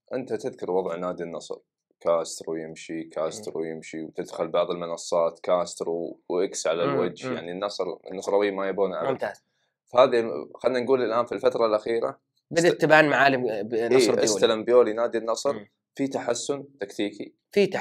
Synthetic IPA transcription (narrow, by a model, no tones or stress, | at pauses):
ʔɪnt̪at̪ɪðkʊɾwɑðˤʕnaːd̪inːɑsˤɾ | kaːst̪ɾujɪmʃikaːst̪ɾṵjɪmʃiwt̪ɪd̪xʊlbɑʕðˤɪlmɪnɑsˤːɑːt̪kaːst̪ɾuwʔɪksʕalalwad͡ʒjaʕninːɑsˤɾnːɑsˤɾˤɑwiːmajabuːnʕammt̪aː | fahaːðixad̪nanɡuːlɪlʔaːnfilfat̪ɾˤɑlʔaxiːɾa̰ | bɪd̪at̪ːɪbaːnmaʕaːlɪnsːɾʔɪsːalambjoːlinaːd̪inːɑsˤɾ | fit̪aħasːʊnt̪akt̪iːki | fit̪